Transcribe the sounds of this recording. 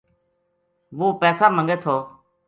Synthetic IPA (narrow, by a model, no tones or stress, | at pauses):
ʋuːpɛːsaːmə̃ŋɡeːt̪ʰoː